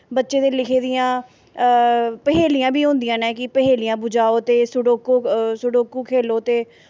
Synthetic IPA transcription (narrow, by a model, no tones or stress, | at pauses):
bətːʃeːd̪eːlɪkʰeːd̪ijãː | pəɦeːlɪjãːbʱiːɦõːnd̪ijãːnɛ̃ːkɪpəɦeːlɪjãːbʊd͡ʒaːoːt̪eːsʊɖoːkoːsʊɖoːkuːkʰeːloːt̪eː